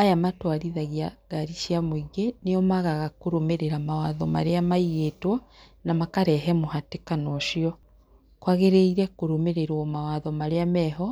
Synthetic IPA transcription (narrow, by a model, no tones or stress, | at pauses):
ajamatwaɾiðaɣiaɣaɾiʃjamoiɣeneɔmaɣaɣakoɾomeɾeɾamawaðɔma̰ɾeamaiɣetwɔ | namakaɾɛɦɛmohatekanɔʃiɔ | kwaɣeɾeiɾɛkoɾomeɾeɾwɔmawaðɔmaɾeamɛɦɔ